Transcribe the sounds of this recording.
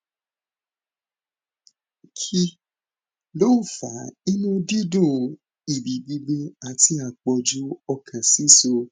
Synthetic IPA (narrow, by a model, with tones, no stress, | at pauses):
kʰi˧ | lo˦u˦˨fa˨˦i˦nũ˦di˦dũ˦˨ | i˨bi˨ɡ͡bi˧ɡ͡be˧a˧ti˦a˦˨k͡pɔ˧d͡ʒu˦ɔ˧kʰã˨si˨˦so˧